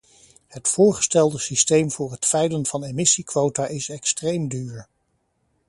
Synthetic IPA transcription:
hətfʊːɹχə̥stɛlˠdəsistejmvʊːɹɦətfɛjlənvɑnemɪsikʋowtaʔɪsɛkstrejmdyːɹ

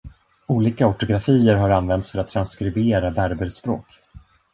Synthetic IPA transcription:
uːliːkaɔʈʊɡɾafiːəɾɦaɾanvɛnt̪sfœɾat̪ʰːɾanskɾɪbeːɾabæɾbəlspɾo̰ːk

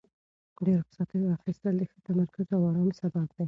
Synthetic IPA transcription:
ɖeɾxsɑt̪əɾaxɪst̪əld̪əxət̪amaɾkʊzawɑɾɑnsabab̚d̪aj

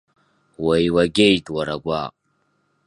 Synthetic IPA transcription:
wajwaɡʲejtʼwaɾaɡʷa̰

